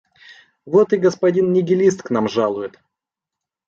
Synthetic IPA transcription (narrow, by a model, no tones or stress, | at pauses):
vo̞t̪ɨɡəspɐdʲinnʲɪɡʲɪlʲist̪knamʐalˠʊjɪt̪